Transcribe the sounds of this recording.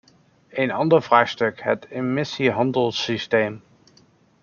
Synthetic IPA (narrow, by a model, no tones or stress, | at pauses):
ejnɑndəɹv̥raːχstɵkɦətemɪsiɦɑndəlˠsistejm